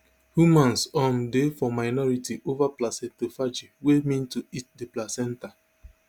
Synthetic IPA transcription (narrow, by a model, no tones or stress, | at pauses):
humãnsɔ̃ndefɔmaɪnɔɹitiʔovaplasɛ̃tofad͡ʒiwemĩntuit̚deplasɛ̃nta